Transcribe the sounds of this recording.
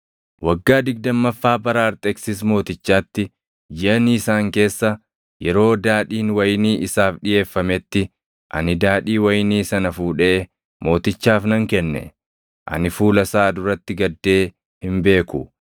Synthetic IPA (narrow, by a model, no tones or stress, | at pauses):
wɐɡːaːd̪ɪɡ̚d̪ɐmːɐfːaːbɐɾaːɾt̪ʼɛksɪs̬mo̞ːt̪ɪt͡ʃːaːt̪ːɪ | d͡ʒɪʔɐniɪsaːŋke̞ːsːɐ | jɛɾo̞ːd̪aːᶑiːnwɐjniːʔɪsaːfᶑɪje̞ːfːɐmɛt̪ːɪ | ʔɐ̰nɪd̪aːᶑiːwɐjniːsɐnɐfuːᶑeː | mo̞ːt̪ɪt͡ʃːaːfnɐŋkɛnːɛ̰ | ʔɐ̰nɪfuːlɐsaːd̪ʊɾɐt̪ːɪɡɐd̪ːe̞ː | hɪmbe̞ːkʊ